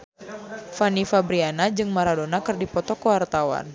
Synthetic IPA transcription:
fanifabɾianad͡ʒɨŋmaɾadonakɨrdipɔt̪ɔkəwart̪awa̰n

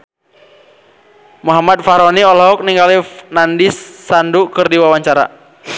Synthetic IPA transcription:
muɦamat̪̚faɾɔniɔlɦɔk̚niŋɡalinandisːandukɨrdiwawaɲt͡ʃaɾa̰

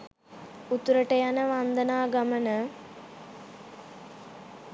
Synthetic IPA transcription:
ut̪ɾəʈəjanəʋand̪ənaːɡamənə

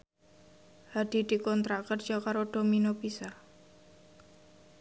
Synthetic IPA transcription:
had̥i̤d̥i̤kɔnt̪ɾakər̥d͡ʒ̥ɔkaɾoɖ̥ominopisar

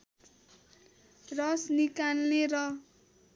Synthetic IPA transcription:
rʌsnikanːeɾʌ

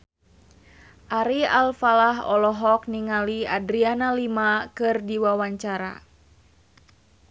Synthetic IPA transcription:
ʔaɾialfalaɦɔ̰lɔɦɔk̚niŋaliadɾianalimakɨrdiwawaɲt͡ʃaɾa̰

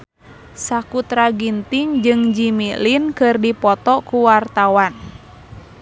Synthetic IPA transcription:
sakut̪ɾaɡint̪iŋd͡ʒɨŋd͡ʒimilinkɨrdipɔt̪ɔkuwart̪awan

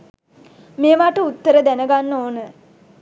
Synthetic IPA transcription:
meːʋaːʈəut̪ːəɾəd̪ænəɡanːoːnə

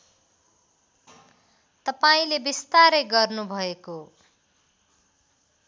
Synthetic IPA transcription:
t̪ʌpaĩlebist̪aɾeɡʌrnubʱʌeko

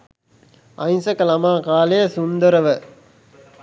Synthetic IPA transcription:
ɐ̰jnsɐkɐlɐmaːkaːlejɐsund̪əɾɐʋə

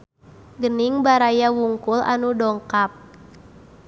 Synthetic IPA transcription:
ɡəniŋbaɾajawuŋkulʔa̰nudɔŋkap̚

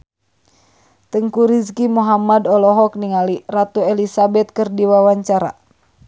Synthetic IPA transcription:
t̪əŋkuɾiskimuɦamadɔlɔɦɔk̚niŋalirat̪uɛlisabɛt̪̚kɨrdiwawaɲt͡ʃaɾa̰

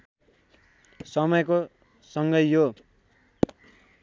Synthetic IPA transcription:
sʌmʌjko | sʌŋɡʌjjo

